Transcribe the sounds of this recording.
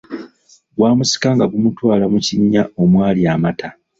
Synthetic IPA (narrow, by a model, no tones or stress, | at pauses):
ɡwaːmusi̥kaŋɡaβumutwaːlamuciɲːao̞mwaːliaːmata